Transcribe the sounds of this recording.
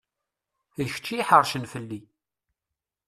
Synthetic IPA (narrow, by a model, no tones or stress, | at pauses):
əçə̥t͡ʃːiħəɾˤʃənfəlːi